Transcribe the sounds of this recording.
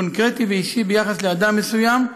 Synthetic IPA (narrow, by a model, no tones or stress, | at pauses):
onkʁet̪iveiʃibejaχasle̞ad̪amːesujam